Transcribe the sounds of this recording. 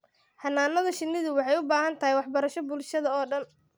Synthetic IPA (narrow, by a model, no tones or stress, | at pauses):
hɐnaːnɐðɐʃɪnːɪðʊwɑħɑjʊbaːɦɐnt̪ʰɐɦijwɑħbɐɾɐʃɔbʊlʃɐðɐɔːɖɐn